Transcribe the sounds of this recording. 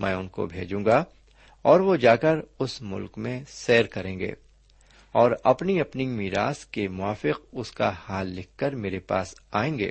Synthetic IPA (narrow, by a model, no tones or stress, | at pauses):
mʔɛ̰̃ːʊnko̰bʱḛːd͡ʒũːŋɡa | ɔːɾʋod͡ʒaːkəɾʊsmʊ̰lkmẽsɛːɾkɐɾẽːŋɡḛː | ɔːɾɐpniɐpnimiːɾa̰ːskemʊaːfɪq̚ʊska̰haːlːɪkʰːɐɾmeːɾepa̰ːsaːẽːŋɡḛː